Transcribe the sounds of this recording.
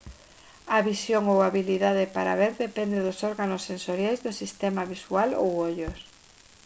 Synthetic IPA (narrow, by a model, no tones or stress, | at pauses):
aβisjoŋowaβiliðaðepaɾa̰βeɾðepɛnd̪eðʊsɔɾɣanosːẽnsoɾjajzðosist̪ɛmaβisualo̰woʎos